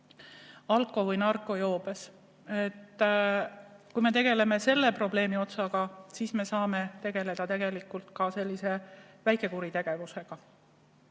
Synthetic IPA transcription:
ɑlkːˑo̞vɯjnɑrkːˑo̞jo̞ːbe̞s | et̪ː | kujme̞t̪e̞ɡ̥e̞le̞me̞se̞lːe̞pro̞b̥le̞ːmio̞t̪sɑɡ̥ɑsisme̞sɑːme̞t̪e̞ɡ̥e̞le̞d̪̥ɑt̪e̞ɡ̥e̞likːˑult̪kɑse̞lʲːise̞ | væjkˑe̞kuɾit̪e̞ɡ̥e̞vuse̞ɡ̥ɑ

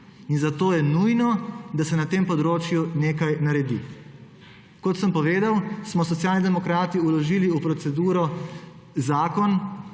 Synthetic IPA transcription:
inzat̪oːjɛnujnɔd̪asɛnat̪eːmpɔd̪ɾoːt͡ʃjuneːkajnaɾɛd̪ḭ | kɔt̪səmpɔʋeːd̪awsmɔs̬ɔt̪sjaːlnid̪ɛmɔkɾaːt̪iulɔʒiːliupɾɔt̪sɛd̪uːɾɔ | zaːkɔn

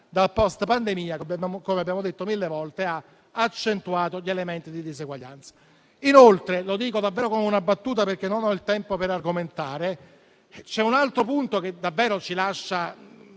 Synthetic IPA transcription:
d̪apɔst̪pand̪emiːabaakomeabːjaːmod̪et̪ːomilːevɔlt̪ea | at͡ʃːent̪uaːt̪oʎːelement̪id̪id̪izeɡwaʎːa̰nt̪sḁ | inolt̪ɾelod̪iːkod̪avːɛːɾokomeunabːat̪ːuːt̪̬aperk̟enːonɔilt̪ɛmpopeɾarɡoment̪aːɾe | t͡ʃɛunalt̪ɾopunt̪ok̟ed̪avːɛːɾot͡ʃilaʃːa

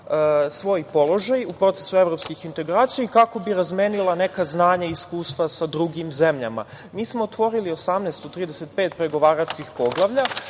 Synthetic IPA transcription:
sʋo̞jpo̞lˠo̞ʒajupɾo̞t̪se̞̥sue̞ʋɾo̞pskixint̪e̞ɡɾaːt̪sijekako̞biɾazme̞ːnilˠane̞kaznaːɲaiskuːst̪ʋasad̪ɾuɡimze̞mʎa̰ma̰ | miːsmo̞ːt̪ʋo̞ɾilio̞samneːst̪ot̪ɾiːd̪eset̪̚pe̞ːt̪pɾe̞ɡo̞ʋaːɾat͡ʃkixpo̞ɡlˠaʋʎa

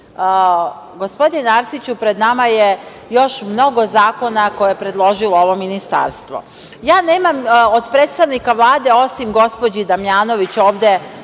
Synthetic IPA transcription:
ɡo̞spo̞d̪inenaɾsit͡ɕupɾe̞d̪namaje | jo̞ʃmno̞ɡo̞zaːko̞nako̞jeepɾe̞d̪lˠo̞ʒilˠooʋo̞minist̪a̰ɾst̪ʋo̰ | jaːne̞ːmamod̪pɾeːt̪st̪aʋnikaʋlˠaːd̪e̞o̞simɡo̞spo̞d͡ʑid̪amjaːno̞ʋit͡ɕo̞ːʋd̪e̞

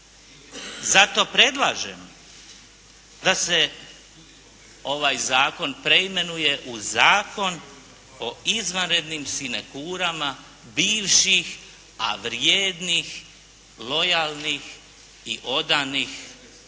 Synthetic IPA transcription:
zat̪o̞pɾe̞d̪lˠaːʒḛm | d̪ase̞ | o̞ʋajzaːko̞npɾeime̞nuje̞ʔuzaːko̞n | o̞izʋanɾe̞d̪nimsinekuːɾama | biːʋʃix | a̰ʋɾjeːd̪nix | lo̞jalˠnix | iʔo̞d̪anix

